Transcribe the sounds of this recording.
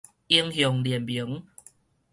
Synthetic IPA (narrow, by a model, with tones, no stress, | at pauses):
i˧əŋɦjɔ˨˩ŋli˨˩mbju˨˦ŋ